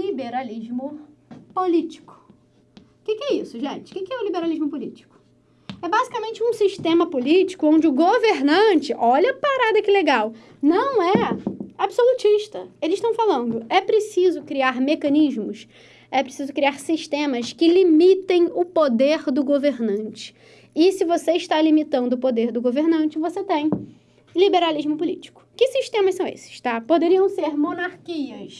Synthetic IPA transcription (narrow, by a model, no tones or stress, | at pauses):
libeɾaliʒmʊpolit͡ʃi̥kʊ̥ | kɪkɪɛisʊʒẽt͡ʃɪ̥kɪkɪɛʊlibeɾaliʒmʊpolit͡ʃi̥kʊ̥ | ɛbazikamẽnt͡ʃɪũsiʃt̪ẽmɐpolit͡ʃi̥kʊõnd͡ʒɪʊɡoveɾnɐ̃t͡ʃɪʔɔʎɐpaɾad̪ɐkɪleɡaw | nɐ̃w̃ɛabsolut͡ʃiʃt̪ɐelɪzɪʃt̪ɐ̃w̃falɐ̃nd̪ʊɛpɾesizʊkɾiaɾmekɐ̃niʒmʊs | ɛpɾesizʊkɾiaɾsiʃt̪ẽmɐskɪlimit̪ẽj̃ʊpod̪eɾd̪ʊɡoveɾnɐ̃nt͡ʃɪ̥ | ɪsɪvoseɪʃt̪alimit̪ɐ̃nd̪ʊpod̪eɾd̪ʊɡoveɾnɐ̃nt͡ʃɪvoset̪ẽj̃ | libeɾaliʒmʊpʊlit͡ʃi̥kʊ̥kɪsiʃt̪ẽmɐʃsɐ̃w̃ḛsɪ̥ʃt̪apod̪eɾiɐ̃w̃seɾmonaɾkiɐs